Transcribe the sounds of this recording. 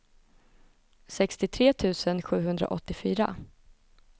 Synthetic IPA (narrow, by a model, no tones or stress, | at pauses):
sɛkst̪ɪt̪ʰɾeːt̪ʰʉ̟ːsənɧʉ̟ːɦɵnd̪ɾa̰ʔɔt̪ːɪfyːɾa̰